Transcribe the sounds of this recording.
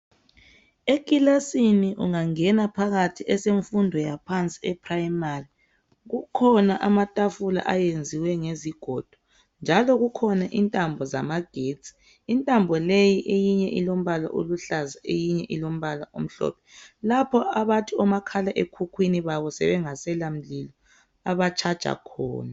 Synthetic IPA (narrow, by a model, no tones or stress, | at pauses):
ekʼilasiniʔṵŋaŋɛnapʰaɣatʰiʔɛseɱfundʱɔjapʰant͡sʼiɛpʰʼraimari | ɣukʰɔnaʔamatʼafula̰ʔajend͡zʱiwɛŋeziɡ̥ʱɔd̥ʱu̥ | nd͡ʒʱalɔɣukʰɔnaʔintʼambʱɔza̰maɡ̥ʱetsʼi̥ | intʼambʱɔlejiʔejiɲɛ̰ʔilom̩βala̰ʔo̰luɬazaʔejiɲɛʔilom̩βalaʔom̩ɬɔ̰pʰɛ̥lapʰɔaβatʰuɔmakʰalaʔekʰukʰwiniβaβɔsɛ̰βɛŋasɛlam̩lilɔ | aβat͡ʃʼʰad̥t͡ʃʼa̰kʰɔ̰ːna